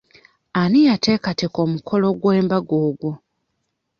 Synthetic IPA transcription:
anijatʰe̞ːkate̞ko̞mukʰo̞lo̞ɡwe̞ːmbaɡoːɡwo

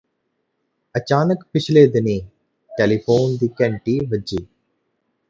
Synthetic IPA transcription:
ət͡ʃaːnəkpɪt͡ʃʰleːd̪ɪniː | ʈelipʰoːnd̪ukɛɳʈiːʋəd͡ʒiː

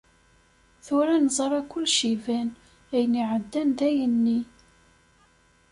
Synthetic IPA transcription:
θʊɾænzˤɾˤɑkʷːʊlːʃivæn | æjniʕəd̪ːænðæjənːi

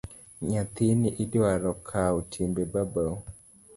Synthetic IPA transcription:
ɲat̪iniʔidaɾɔkʰautʰimbebaba

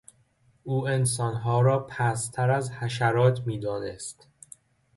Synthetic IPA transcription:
ʔuːe̞nsɒːnɦɒːɾɒːpʰæst̪ʰæɾæzhæʃæɾɒːt̪ʰmiːd̪ɒːnḛst̪

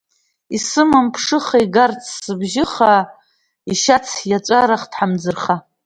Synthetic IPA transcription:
isɨmɨmpʰʂɨχaiɡart͡sʰsɨbʒɪχa | iʃat͡sʰjat͡ʃʷʼaɾaχdħamd͡zɨrχa

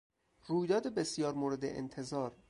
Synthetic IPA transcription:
ruːjd̪ɒːd̪ebesijɒːɾmoːɾe̞d̪ḛʔḛnt̪ʰe̞zɒːɾ

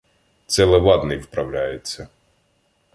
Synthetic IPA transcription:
t̪sɛlˠɛʋɑd̪nɪjʋpɾɐwlʲajɪt͡sʲːɐ

